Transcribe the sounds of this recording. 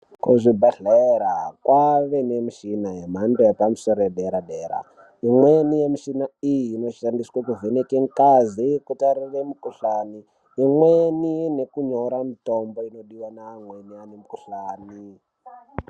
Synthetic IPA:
kuʐibʱaɮeeɾakwaʋenemiʃinajemandojapamusoɾoeɗeɾaɗeːɾa̰ | imwenijemiʃinaijiːno̞ʃandiswakuvʱenekeŋkazikutaɾiremukuɬaːni | imwenine̞kuɲoɾamito̞mbo̞ino̞ɗiwanamwenianemikuɬaːni

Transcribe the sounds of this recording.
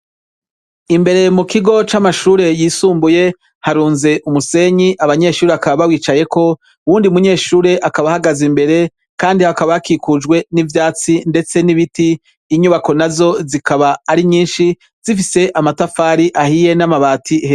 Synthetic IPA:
imbe̞ɾe̞mukiɡo̞t͡ʃamaʃuːɾe̞jiːsuːmbuje̞ | haɾuːnze̞ʔumuse̞ɲiʔaβaɲe̞ʃuːɾeakaβaβawiːt͡ʃaje̞ko̞ | uwuːndiumuɲe̞ːʃuːɾe̞ʔakaβahaɡazimbe̞ɾe̞ | kaːndihakaβaakikud͡ʒɡwe̞nivjaːt͡sinde̞t͡se̞niβitiː | ɲuβako̞nazo̞zikaβaːɾiɲiːnʃi | z̥ifise̞ʔamatafaːɾiʔahije̞namaβaːtʰihe

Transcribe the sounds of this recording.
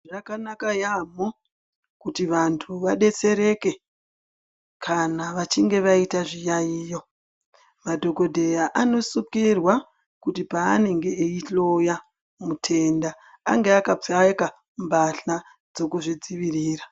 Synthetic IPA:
ʐakanakajamo | kutiʋantʰuʋaɗe̞t͡se̞ɾe̞ke̞ | kʰanaʋat͡ʃiŋɡe̞ʋaitaʐijaiːjo̞ | madʱo̞ko̞dʱe̞jaʔano̞sukirwa | kutipaːne̞ŋɡe̞eiɬo̞ja | mutʰe̞ndaː | ŋɡeakap͡faka | mbaɬa | d͡zo̞kuʐid͡ziʋiriːra

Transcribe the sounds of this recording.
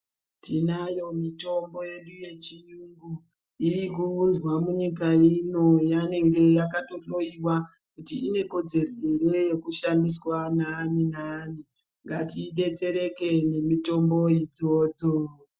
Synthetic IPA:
tinajo̞mito̞mbo̞je̞ɗuje̞t͡ʃiuŋɡu | ijikuːnzwamuɲikaino̞jane̞ŋɡe̞jakato̞ɬo̞iwa | kutiːne̞ko̞d͡ze̞reeɾeje̞kuʃandiswananinani | ŋɡatiɓe̞t͡se̞ɾe̞ke̞ne̞mito̞mbo̞id͡zo̞ːd͡zo

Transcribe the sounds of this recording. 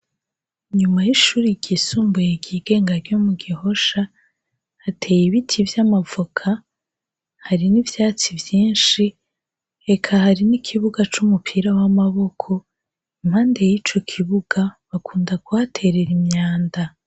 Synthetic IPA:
ɲumajiʃuːɾiɟisuːmbujeɟiːɡe̞ːŋɡaɾɟomuɡiho̞ʃa | hatʰe̞ːjiβitʰivjamavokʰa | haɾinivjaːt͡sivjiːnʃi | e̞kʰahaɾinikʰiβuɡat͡ʃumupʰiːɾawamaβo̞kʰo̞ | imhaːnde̞jit͡ʃo̞kʰiβuɡ̥aβakʰuːndakuhatʰe̞ɾe̞ɾimɲaːnda

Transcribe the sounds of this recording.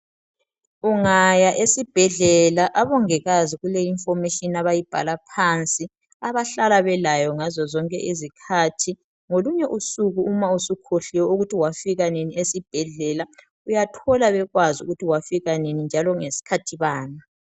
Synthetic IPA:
uŋajaʔesib̥ʱɛɮɛlaʔaβɔŋɛɣaziɣuleiɱfɔmeʃinaβajib̥ʱa̰lapʰant͡sʼi | aβaɬalaβɛlajɔŋazɔzɔŋkʼɛʔizikʰatʰi | ŋoluɲɛʔusuɣuʔumausukʰoɬiwɔuɣutʰiwafiɣaneniesib̥ʱɛɮɛla | ujatʰɔlaβɛɣwazṵɣutʰiwafiɣanenind͡ʒʱalɔŋesi̥kʰatʰiβaːna

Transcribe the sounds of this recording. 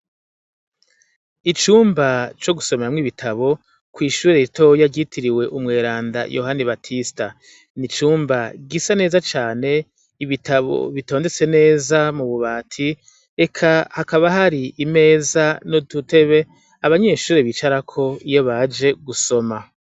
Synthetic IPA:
it͡ʃuːmbat͡ʃo̞ɡuso̞meamŋiβitʰaβo̞ | kwiːʃuːɾe̞tojaɟitʰiɾiwe̞ʔumŋeːɾaːnda̰joɦaniβatʰista | nit͡ʃuːmbaɡisane̞ːzat͡ʃaːne̞ | iβitʰaβo̰βito̞ːnde̞t͡se̞ne̞ːzamuβuβaːtʰi | e̞kʰahakaβaɦaɾiime̞ːzanodute̞βe̞ | aβaɲe̞ːʃuːɾe̞βiːt͡ʃaɾakʰo̞ijo̞βad͡ʒe̞ɡuso̞ma

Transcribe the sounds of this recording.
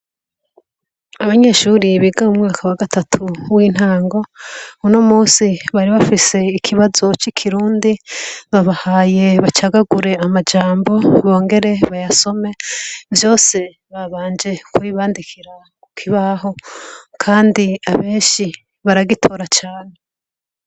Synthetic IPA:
aβaɲe̞ːʃuɾiβiːɡaumŋaːkawaɡatatʰuwiːn̥haːŋɡouno̞muːsiβaɾiβafise̞ikʰiβazo̞t͡ʃikʰiɾuːndiβaβahaːje̞βat͡ʃaɡaɡuɾe̞amad͡ʒaːmbo̞βo̞ːŋɡe̞ɾe̞βajaso̞me̞vjo̞ːse̞ | βaβaːnd͡ʒe̞kuwiːβaːndikʰiɾa | ku̥kʰiβaɦo̞kʰaːndiaβe̞ːʃi | βaɾaɡitʰo̞ːɾat͡ʃaːne̞

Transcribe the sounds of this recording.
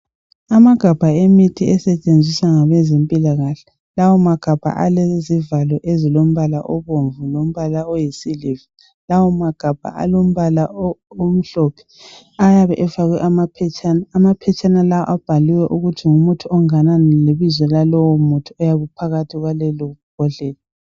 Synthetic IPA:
amaɡ̥ʱab̥ʱaemitʰiɛsɛt͡ʃʼend͡zʱisaŋaβɛzempʼilaɣaɬɛ | lawɔmaɡ̥ʱab̥ʱa̰ʔa̰lezivalɔʔezilom̩βalaʔɔβoɱvulom̩βalaɔjisilivi | lawɔmaɡ̥ʱab̥ʱa̰ʔa̰lom̩βalaom̩ɬɔpʰɛ̥ | ajaβɛʔɛfaɣwɛʔamapʰɛt͡ʃanaːmapʰɛt͡ʃʼanalawɔ̰ʔab̥ʱaliwɛʔuɣutʰiŋumutʰuɔŋananɛleβizɔlalɔwɔmutʰuɔjaβupʰaɣatʰiɣwalɛlɔɡ̥ʱɔɮɛːla

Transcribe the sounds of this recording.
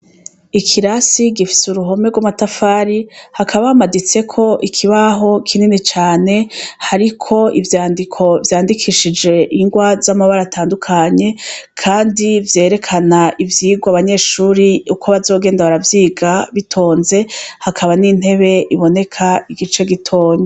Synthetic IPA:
ikʰiɾasiɡifi̥suɾuɦo̞me̞ɾɡwamatafaːɾihakʰaβaamadit͡se̞kʰo̞ʔikʰiβaɦo̞kʰininit͡ʃaːne̞haɾikʰo̞ʔivjaːndikʰo̞vjaːndikʰiʃid͡ʒe̞ʔiŋɡwazamaβaɾataːndukʰaɲe̞kʰaːndivje̞ːɾe̞kʰanaʔivjiːɡwaβaɲe̞ːʃuːɾiukʰoβazo̞ːɡe̞ːndaβaɾavjiːɡaβitʰo̞ːnze̞hakʰaβanin̥he̞βe̞ʔiβo̞ne̞kʰaiɡit͡ʃe̞ɡitʰo̞ːɲe

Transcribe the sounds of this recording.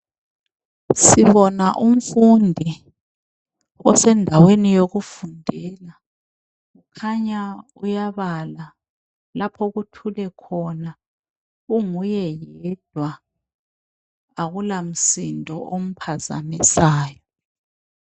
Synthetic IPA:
siβɔnaʔum̩fundʱi | ɔsɛndʱawenijoɣufundʱɛːla | ɣukʰaɲa | ujaβala | lapʰɔɣutʰulɛkʰɔna | uŋujɛjɛd̥̚ʱwa | ɣulam̩sindʱɔʔom̩pʰaza̰misaːjɔ

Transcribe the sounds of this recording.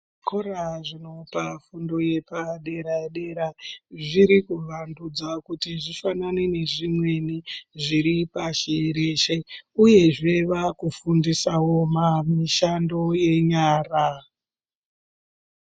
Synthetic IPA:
kʰoɾaʐino̞pafundo̞je̞paɗe̞ɾajeɗe̞ɾaʐiɾikuʋandud͡zakutiʐifananene̞ʐimwe̞niʐiɾipaʃeeɾe̞ʃeuje̞ʐe̞ʋakufundisawomamiʃando̞je̞ɲaːra

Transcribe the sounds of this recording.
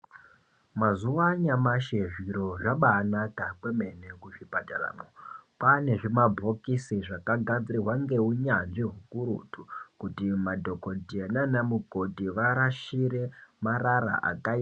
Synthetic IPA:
mazuʋaɲamaʃe̞ʐiɾo̞ʐaɓaːnakakweme̞nekuʐipatara̰ːmopane̞ʐemabʱo̞kisiʐakaɡʱad͡ziriɦwaŋɡe̞uɲanʐiɦukuɾṵtukutimadʱo̞kotiananamukotiʋaɾaʃiɾe̞maraɾa̰ʔa̰kaiː

